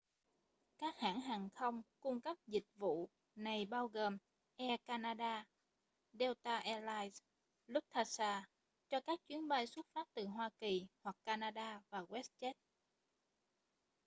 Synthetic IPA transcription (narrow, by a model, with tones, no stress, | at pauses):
kaː˦˥k̚ha̰ː˧˥ŋɦaː˨˩ŋxə˧wŋ͡mkʊ˧ŋ͡mkə˦˥p̚zï˨˩k̟̚vṵ˧˨ | na˨˩jɓaː˧wɣəː˨˩m | ʔɛ˧kaː˧naː˧ɗaː˧ | ɗɛ˧wt̪aː˧ʔɛ˧laː˧js | lʊ˦˥p̚t̪ʰa˧˩saː˧˩ | t͡ɕɔ˧kaː˦˥k̚t͡ɕwi˨˦ənɓa˧jswə˦˥t̚faː˦˥p̚t̪ɨ˨˩ɦwaː˧ki˨˩hwa˨˩kkːaː˧naː˧ɗaː˧vaː˨˩ɣwɛ˦˥s̚t͡ɕɛ˦˥t̚